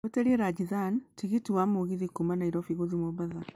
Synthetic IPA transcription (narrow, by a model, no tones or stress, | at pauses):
eteɾiɛɾad͡ʒiðantiɣitiwamoɣiðikumanaiɾɔfiɣoðimɔβaða